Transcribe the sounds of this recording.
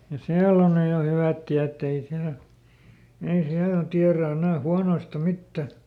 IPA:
jɑ siælː on nyj jo hyʋæt tiætː ei siælæ̆ ei siælːæ tiæræ enæˑ huɑnoistɑ mitːæ

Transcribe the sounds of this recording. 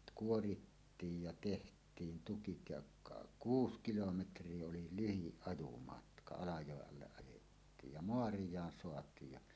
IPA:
kuoritːiːj jɑ tehtˑiːn tukit jɑ kɑ kuːs kilometrˑie oli lyhiʔ ʔɑjumɑtkɑ ɑlɑjoˑeʔ ʔɑlːeʔ ʔɑjetːiːj jɑ moɑrijˑɑːn soɑtˑiːj jɑ

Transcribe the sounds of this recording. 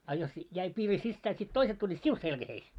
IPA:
ɑ jos jæi piːri sisːæː sit toiset tulʲːiːt siu selkæheis

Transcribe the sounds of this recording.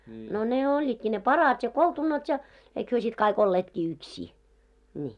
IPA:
no ne olʲːiːtki ne pɑrɑt jɑ koltunɑt jɑ eik hyø sit kɑik olːeːtki yksʲiː nʲiː

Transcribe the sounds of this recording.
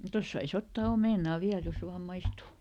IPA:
tos sɑis otːɑː omeˑnɑˑ ʋiæl jos ʋɑːm mɑistuˑ

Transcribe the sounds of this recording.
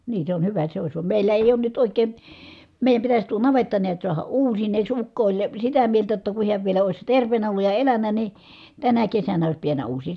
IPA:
niː se on hyʋæ se ois ʋɑm meˑilːæ eˑi̯ oːn nyt oˑikˑeˑn̞ meˑi̯jæm pitæs tuo nɑʋetːɑ niæt suɑhɑ uːsineːks ukːo olʲ sitæ mieltæ jotːɑ ku hiæʋ ʋielæ oˑi̯s terʋˑeːnæ olːuj jɑ elænˑæ ni tænæ kesænæ ois piænːæ uːsiː

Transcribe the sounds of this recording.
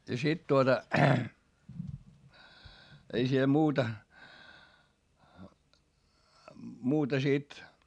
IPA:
jɑ sit tuotɑ ei siel muːtɑ muːtɑ sit

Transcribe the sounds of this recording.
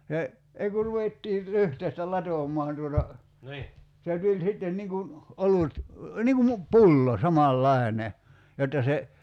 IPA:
se ei ku ruʋetːiː lyhteistæ lɑtomˑɔɑn tuotɑ se tulʲ sitːen niŋ kun olut niŋ ku mu pulːo sɑmɑlːɑene jotːɑ se

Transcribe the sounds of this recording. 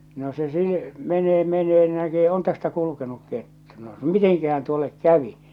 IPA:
no se siː meneː meneː ni nækeː on tæstæ kulukenuk ketːu̥ no miteŋkæhæn tuolːek kæʋi

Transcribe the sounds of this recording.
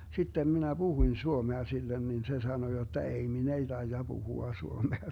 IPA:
sitːem minæ b̥uhuĭn suomeɑ silːen nin se sɑno jotːɑ ei min ei tɑijɑ b̥uhuɑ suomeɑ

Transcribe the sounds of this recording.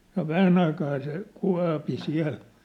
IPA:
no ʋæhæn ɑikɑː se kuɑ̝pi siæ̝l

